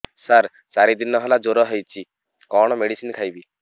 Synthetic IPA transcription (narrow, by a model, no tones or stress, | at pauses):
saɾ | saɾid̪inɔɦɔlad͡ʒoɾɔɦɔjt͡ʃʰi | kɔɽ̃ɔmeɽisinkʰajbi